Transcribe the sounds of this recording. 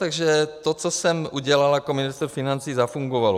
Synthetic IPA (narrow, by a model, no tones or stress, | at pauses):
t̪aɡʒɛt̪ot͡sosɛmʔuɟɛlaljakomɪnɪst̪ɾfinant͡siːzafuŋɡovalo